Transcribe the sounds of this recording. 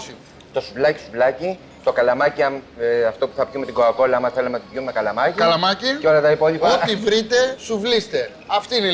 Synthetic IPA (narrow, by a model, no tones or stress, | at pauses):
si | t̪o̞suvlɐci̥suvlɐci | t̪o̞kɐlɐmɐciɐmɐft̪o̞pu̥θɐpʝumet̪iɡoɐko̞lɐɐmɐθelemet̪upjumekɐlɐmɐciɐlɐmɐciceo̞lɐt̪ɐipo̞ðipɐot̪ivɾit̪e̞suvlist̪e̞ | ɐft̪iine